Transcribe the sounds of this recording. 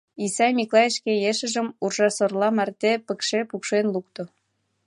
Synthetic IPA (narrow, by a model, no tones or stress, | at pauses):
isɑjmʲiklˠɑjeʃkejeʃə̆ʒə̆murʒɑsorlɑmært̪epə̆kʃepukʃenluk̚t̪o